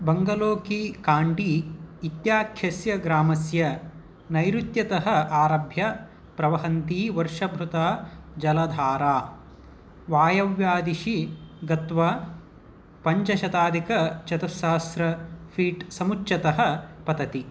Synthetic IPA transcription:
bɐŋɡɐloːkikaːɳɖiːt̪jaːkʰjɐsjɐɡɾaːmɐsjɐ | nɐjɾut̪jɐt̪ɐɦɐ̆aːɾɐbʱjɐ | pɾɐʋɐɦɐnt̪iːʋɐɾʂɐbʱɾut̪aːd͡ʒɐlɐd̪ʱaːɾaː | ʋaːjɐʋjaːd̪iʃiɡɐt̪ʋɐ | pɐɲt͡ʃɐʃɐt̪aːd̪ikɐt͡ʃɐt̪ɐsɐɦɐsɾɐpʰiːʈsɐmutːʃɐt̪ɐɦɐ̆pɐt̪ɐt̪i

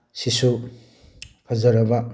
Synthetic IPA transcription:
sisu | kʰɐzɐɾɐbɐ

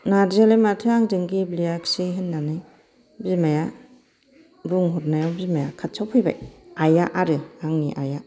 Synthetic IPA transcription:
nadialematʰɯaŋdɯŋɡiblijaksiɦɯnːanɯ | bimaja | buŋɦɔt̚najɔbimajakʰatsʰawpʰɯjba̰jajaʔaɾɯaŋniʔaja

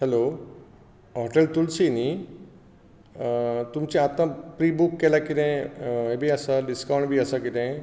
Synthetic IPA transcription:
ɦɛlo | ɦɔːʈelt̪ulsini | t̪umt͡ɕĩat̪mãpɾiːbukːelakiɾẽɦebʱiəsaɖiskawɳɖbʱiəsakid̪ẽ

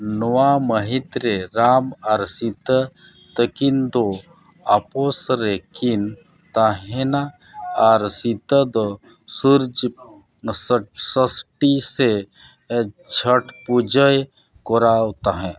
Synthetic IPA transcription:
nɔwaməɦɪt̪ɾeɾaːmaɾsit̪ə | t̪əkind̪o | aposɾekin | t̪aɦena | aɾsit̪əd̪o | suɾd͡ʒ | ssəsʈise | t͡ʃʰəʈpud͡ʒəj | koɾawt̪aɦɛ̃

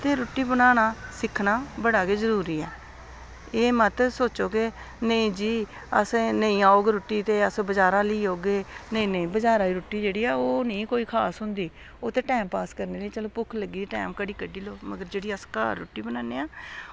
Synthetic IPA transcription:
t̪eːɾʊʈːiːbənaːnaːsɪkʰnaːbəɽaːkeːzəɾuːɾiːɛː | eːmət̪soːt͡ʃoːke | nəĩːd͡ʒiː | əsnəĩːaːoːɡɾʊʈːiːt̪eːəsbəd͡ʒaːɾãːliːɦoːɡeːnəĩːnə̃ĩːbəd͡ʒaːɾãːiːɾʊʈːiːd͡ʒeːɽiːaːoːnəĩːkoːiːkʰaːsɦʊ̃nd̪iː | oːt̪eːʈɛːmpaːskəɾneːləiːt͡ʃəloːpʊkʰləɡiːiʈɛ̰ːmkəɽiːkəɖiːloːməɡəɾd͡ʒeːɽiːəska̰ːɾːʊ̰ʈːiːbənaːneːaː

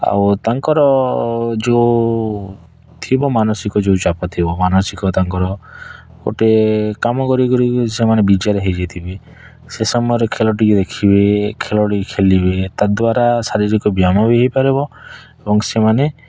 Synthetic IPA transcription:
a̰wt̪aŋkɔɾɔ | d͡ʒe | t̪ʰibɔmanɔsikɔd͡ʒewt͡ʃapɔt̪ʰibɔmanɔsikɔt̪aŋkɔɾɔ | ko̰ʈekamɔkɔɾikɔɾisemanebid͡ʒaɾeɦed͡ʒet̪ʰibi | sesɔmɔjɔɾekʰelɔʈikd̪ekʰibekʰelɔʈikʰelibet̪ad̪waɾasaɾiɾikɔbiamɔbeɦjpaɾebɔ | ebɔŋsemane

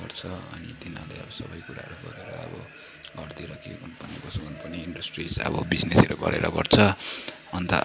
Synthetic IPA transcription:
ʌrt͡sʰʌʌnid̪inaleʌbʌsʌbʌjkuɾa̰ɦʌɾuɡʌɾeɾʌʌ̰bʌ | ɡʌrd̪iɾʌkebʱʌnpʌnibʌsuɡʱʌnpʌniiɳɖʌsʈrisʌ̰bʌbid͡zneseɾoɡʌ̰ɾḛɾʌɡʌrt͡sʰʌ | ʌnt̪ʌ

